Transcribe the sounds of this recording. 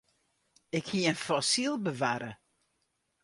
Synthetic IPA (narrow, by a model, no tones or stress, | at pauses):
ɪkhiəənfɔsilˠbəʋaɾə